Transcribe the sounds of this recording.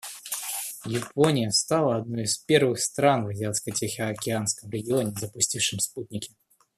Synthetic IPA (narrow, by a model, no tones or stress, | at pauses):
jɪponʲɪjəst̪alˠəɐd̪̚nojispʲe̞rvɨxst̪ɾanvɨzʲɪat̪skətʲexʲɪɐkʲɪanskəmɾʲɪɡʲɪonʲɪzəpʊsʲtʲifʂɨmsput̪̚ʲnʲɪkʲɪ̥